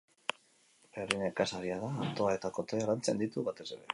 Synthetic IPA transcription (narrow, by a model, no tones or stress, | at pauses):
ferinekasaɾiaðaːnt̪o̞ae̞t̪akot̪aerant͡sḛnd̪it̪uβat̪e̞se̞ɾe̞̰